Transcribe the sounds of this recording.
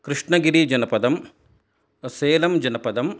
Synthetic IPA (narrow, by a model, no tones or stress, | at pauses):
kɾɨʂɳɐɡiɾid͡ʒɐnɐpɐd̪ɐm | seːlɐmd͡ʒɐnɐpɐd̪ɐm